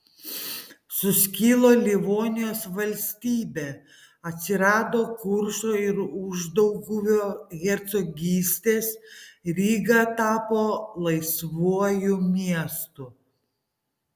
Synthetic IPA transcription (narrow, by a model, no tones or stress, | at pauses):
sʊsʲkʲiːlˠoːlʲɪʋoːnʲɪjoːsʋɐlʲsʲt̪ʲiːbʲeː | ɐt̪ʲsʲɪɾɑːd̪oːkʊɾʃoːɪɾʊʒd̪ɐʊɡʊʋʲoːɣʲɛɾʲt̪sɔɡʲiːsʲt̪ʲeːsɾʲiːɡɑt̪ɑːpoːlˠɐɪsʋuɔjʊmʲiɛst̪ʊ